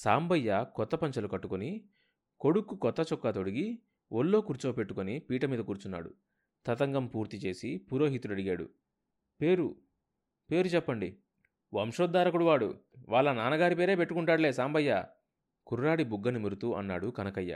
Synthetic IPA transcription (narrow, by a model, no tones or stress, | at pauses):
saːmbɐjːɐkɔt̪ːɐpɐɲt͡ʃɐlukɐʈːukoni | ko̞ɽukːukɔt̪ːɐt͡ʃɔkːat̪oɽiɡi | ʔolːo̞ːkuɾt͡ʃoːpe̞ʈːukonipiːʈɐmiːd̪ɐkuːɾut͡ʃunːa̰ːɽṵ | t̪ɐt̪ɐŋɡɐmpuːɾt̪it͡ʃe̞ːsipuɾo̞ːɦit̪ulɐɽiɡaːɽṵ | pe̞ːɾu | pe̞ːɾut͡ʃɛpːɐɳɖi | ʋɐmʂoːd̪ːaːɾɐkuɽuʋaːɽṵʋaːɭːɐnaːnɐɡaːɾipe̞ːɾe̞ːpeʈːukuɳʈaːɽle̞ːsaːmbɐjːa̰ | kuɾuɾaːɽibuɡːɐnimiɾut̪uːʔɐ̰nːa̰ːɽukɐnɐkɐjːɐ̰